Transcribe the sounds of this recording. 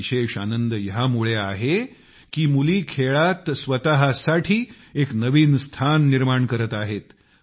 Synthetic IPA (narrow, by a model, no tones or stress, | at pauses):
ɕeʂanənd̪əjəɦamuɭeaɦe | kiːmuliːkʰeɭat̪sʋət̪aɦasaʈʰiː | eknəʋiːnst̪ʰanːiɾmaɳkəɾət̪aɦet̪